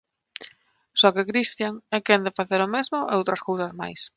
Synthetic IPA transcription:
sɔkekɾist̪jaŋɛkɛnd̪ɪfaθeɾomezmʊʔeowt̪ɾɐskowsazma̰js

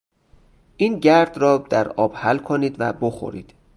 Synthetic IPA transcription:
ʔiːnɟæɾd̪rɒːd̪̥æɾɒːb̥hælkʰoniːd̪væboxo̰ɾḭːd̪̥

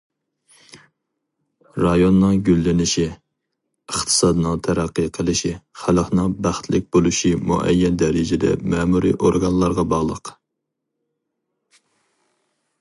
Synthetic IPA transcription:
ɾɑjonːɨŋɡʲylːɪnɪʃi | əχt̪ʰɨ̥sɑd̪ɨnɨŋt̪ʰæɾæqːəqʰəlˠɨʃiχælχnɨŋbæχt̪ʰlɪk̚ʲbolˠuʃimṵʔɛ̰jːɛnd̪ɛɾɪd͡ʒɪd̪ɛ̰mɛmuɾḭʔoɾɡɑnlˠɑɾʁɑbɑʁlˠəq

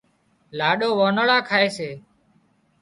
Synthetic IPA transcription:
laːɗoːʋoːnəɭaːkʰaːeːseː

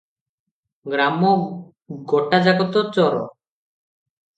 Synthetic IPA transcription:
ɡɾamːo | ɡɔʈːad͡ʑaɡot̪ot͡ɕɔɾɔ̰

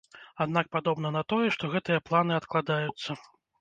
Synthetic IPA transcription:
ad̪nak̚pad̪ɔbn̪ɐnɐt̪ɔjɛʂt̪ɔɣɛt̪ɨjɐplˠanɨat̪klˠad̪ajut̪sːɐ

